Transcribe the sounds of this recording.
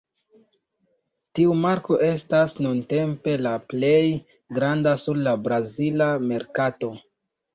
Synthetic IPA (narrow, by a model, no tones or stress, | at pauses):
tiumaɾko̞ʔe̞stasnunte̞mpe̞laple̞j | ɡɾandasuɾlabɾazilame̞ɾkato̞